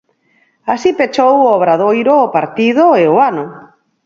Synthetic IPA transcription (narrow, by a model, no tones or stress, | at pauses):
asipet͡ʃowoβɾaðojɾoːpaɾt̪ið̞oeoanʊ